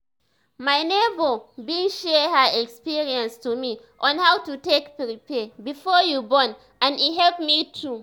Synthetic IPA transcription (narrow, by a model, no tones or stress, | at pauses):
majnevobĩʃɛhəɛkspiɹiãnstumi | ʔɔ̃nhawtutekpɹipɛbifɔjubɔ̃n | ãniɦɛlpmitʰu